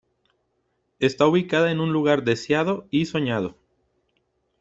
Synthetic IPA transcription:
est̪auβikað̞aenũnluɣ̞aɾd̪e̞sjaðoiso̞ɲað̞o

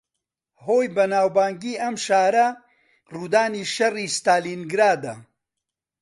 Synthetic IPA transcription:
hoːjbɐnaːwbaːŋɡiːʔɐmʃaːɾɐ | ruːd̪aːniːʃɐriːst̪aːliːnɡɾaːd̪ɐ

